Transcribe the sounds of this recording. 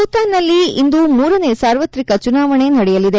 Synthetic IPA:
uːt̪aːnːɐlːiind̪umuːɾɐne̞ːsaːɾʋɐt̪ɾikɐt͡ʃunaːʋɐɳe̞nɐɽɛjɐlid̪e

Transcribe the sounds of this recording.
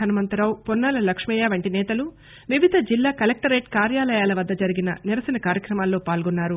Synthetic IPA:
ɐnɐmɐnt̪ɐɾɐwpɔnːaːlɐlɐkʂmijaːʋɐɳʈinɛːt̪ɐlu | ʋiʋid̪ʱɐd͡ʒilːaːkɐlek̚ʈɐɾeːʈ̚kaːɾjaːlɐjaːlɐʋɐd̪ːɐd͡ʒɐɾiɡinɐ̰niɾɐsɐnɐkaːɾjɐkɾɐmaːlːo̞ːpaːlɡɔnːaːɾu

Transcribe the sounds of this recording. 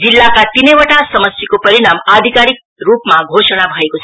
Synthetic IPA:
d͡zilːakat̪inʌjwəʈasʌmʌsjikopʌɾiɽamad̪ʱikaɾik̚rupmaɡʱosʌñabʱʌekot͡sʰ

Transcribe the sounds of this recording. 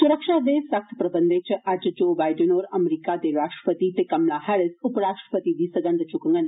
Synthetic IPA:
suɾəkʃaːd̪esɐk̚t̪ʰpɾɐbənd̪eːt͡ʃʰɐʔad͡ʒd͡ʒoːbaːjɖənoːɾɐmɾikad̪eɾaːʂʈɾə̥pət̪it̪ekɐmlaːɦaɭəsupəɾaːʂʈɾə̥pət̪id̪isəɡɐnd̪t͡ʃukɐŋɡən

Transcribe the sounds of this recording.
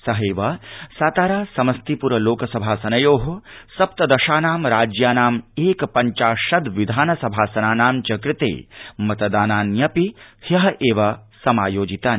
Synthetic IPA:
sɐɦeːʋɐsaːt̪aːɾaːsɐmɐst̪ipuɾɐloːkɐsɐbʱaːsɐnɐjoːɦusɐp̚t̪ɐd̪ɐʃaːnaːmɾaːd͡ʒjaːnaːmeːkpɐɲt͡ʃaːʃɐd̪ʋid̪ʱaːnɐsɐbʱaːsɐnaːnaːmt͡ʃɐkɾɪt̪ḛːmɐt̪ɐd̪aːnaːnjɐpihjɐɦɐʔeːʋɐsɐmaːjoːd͡ʒit̪aːn

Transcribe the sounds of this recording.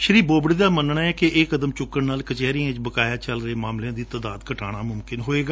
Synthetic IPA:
ʃəɾiːboːbɽd̪aːmənɳaːɛːkɪeːkəd̪əmt͡ʃʊkːənnaːlkət͡ʃɛːɾiãt͡ʃbəkaːjaːt͡ʃəlɾəeːmaːmlejãːd̪iːt̪aːd̪aːd̪kəʈʰa̰ːɽ̃aːmʊmkɪnɦoːeːɡaː

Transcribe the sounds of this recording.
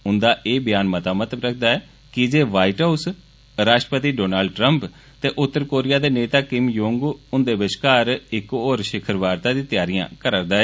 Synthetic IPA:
ʊnd̪aːʔeːbɪjaːnmət̪aːmət̪ləbɾək̚ʰd̪aːɛː | kɪd͡ʒeːʋaːiʈaːus | ɾaːʃʈəpət̪iːɖoːnaːlɖ̚ʈɾəmp | t̪eːʔʊt̪ːəɾkoːɾɪjaːd̪eːneːt̪aːkɪmjoːŋɡʊnd̪eːbɪt͡ʃkaːɾɪkoːɾʃɪkʰəɾʋaːɾt̪aːd̪iːt̪ɪjaːɾijã̰ːkəɾəɾd̪aːɛː

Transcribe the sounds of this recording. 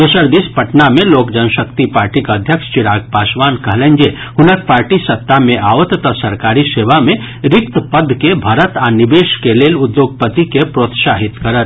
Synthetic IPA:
d̪ɐsəɾd̪ispɐʈnamẽloːkd͡ʒənʃəkt̪ipaːɾʈikəd̪ʱjəkʃt͡ʃɪɽaːɡ̚paːsʋaːnkɐɦlẽnd͡ʒehʊnək̚paːɾʈisɐt̪ːamẽʔaːʋət̪ːɔsɐɾkaːɾiseːʋamẽ | ɾɪkt̪əpəd̪ʱːkebʱɐɾət̪anɪbeːʃkeleːlʊd̪joːɡ̚pət̪ikepɾoːt̪saːɦɪt̪kɐɾət̪

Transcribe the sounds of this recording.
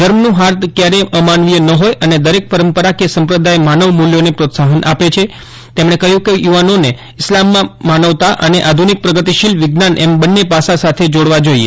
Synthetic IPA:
d͡ʒəɾmnũɦaɾt̪kjaɾeəmanʋijenəɦojʔəned̪əɾek̚pəɾəmpəɾakesəmpɾəd̪aemanəʋmuljonepɾot̪saɦənʔa̰pet͡ʃʰe | t̪emɽ̃ekəɦjũkejuʋanone | ɪslamːãmanəʋt̪aʔəneʔad̪ʱunik̚pɾəɡət̪iʃilʋɪɡnanʔɛmbənːepasasat̪ʰed͡ʒoɽʋad͡ʒoiḛ

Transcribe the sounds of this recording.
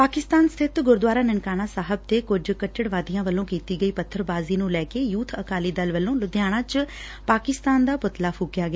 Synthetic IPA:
paːkɪst̪aːnst̪ʰɪt̪ɡʊɾd̪ʊaːɾaːnəɳkaːɽaːsaːɦəb̚t̪eːkʊd͡ʒkəʈːəɽʋaːd̪ijãːʋəlːõːkiːt̪iːɡəiːpət̪ʰːəɾbaːziːnũːlɛːkeːjuːt̪ʰəkaːliːd̪əlʋəlːõːlʊd̪ɪjaːɽ̃ãːt͡ʃ | paːkɪst̪aːnd̪aːpʊt̪laːpʰuːkjaːɡɪaː

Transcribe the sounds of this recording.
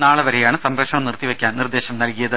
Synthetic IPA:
naːɭɐʋɐɾejaːɳɨsɐmɾɐkʂɐɳɐmnirt̪ːiʋekʲːaːnnird̪e̞ːɕɐmnɐlkijɐðɨ

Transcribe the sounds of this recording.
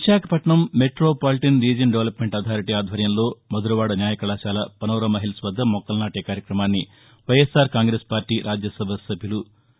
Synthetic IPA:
ʋiʃaːkʰɐpɐʈɳɐmːeʈɾoːpaːliʈɐnɾiːd͡ʒɐnɖeʋɐlɐpmeɳʈɐd̪ʰʱaːɾiʈiaːd̪ʱʋɐɾjɐmlo̞ːmɐd̪uɾɐʋaːɽɐnjaːjɐkɐɭaːʃaːlɐpɐnɐːɾɐmɐɦilɐsʋɐd̪ʱːɐmɔkːɐlnaːʈeːkaːɾjɐkɾɐmaːnːi | ʋɐjesaːɾkaːŋɡɾeːspaːɾʈiːɾʔaːd͡ʒjɐsɐbʱɐsɐbʱjulu

